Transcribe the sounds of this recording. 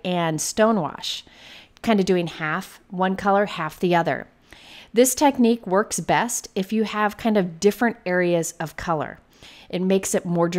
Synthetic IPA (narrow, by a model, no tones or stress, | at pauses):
ɨ̃nstõʊ̃nwɑ̰ʃ | kʰãɪ̃ndʌvdʉɪ̃ŋhæfwʌ̃nkʰʌlˠə˞hæfðiʌðə̰˞ | ðɪstʰɛk̚nikwɜ˞ksb̥ɛstɨfjɨəv̥kʰãɪ̃ndʌvdɪfɹɨ̃ntɛɹiɨzʌv̥kʰʌlˠə̰˞ | ʔɨt̚meɪksɨt̚mɔɹd